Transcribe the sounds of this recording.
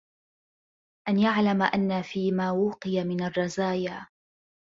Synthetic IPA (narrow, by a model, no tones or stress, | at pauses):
ʔanjaʕlamaʔanːafiːmaːwuːqɨjamɪnarˤːɑzaːjaː